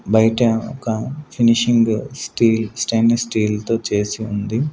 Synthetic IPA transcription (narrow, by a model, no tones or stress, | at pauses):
bɐjʈɐ̰kɐpʰiniʃiŋɡsʈiːlsʈeːnsʈiːlt̪o̞ːt͡ʃe̞ːsiund̪i